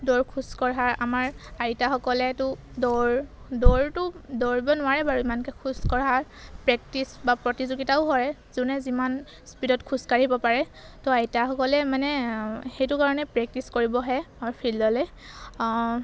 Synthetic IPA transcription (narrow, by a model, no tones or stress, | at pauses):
dɔɹkʰuskɔɹɦaɹamaɹajitaxɔkɔlɛtʊ | dɔɹ | dɔɹtʊdɔɹibɔnʊwaɹɛbaɹuimankɛkʰuskɔɹɦaɹ | pɹɛk̚tisbapɹɔtizuɡitaʊɦɔɹɛzunɛziman | spidɔtkʰuskaɹibɔpaɹɛ | tɔajtaxɔkɔlɛmanɛxejtʊkaɹɔnɛpɹɛk̚tiskoɹibɔɦɛapʰilːɔlɛ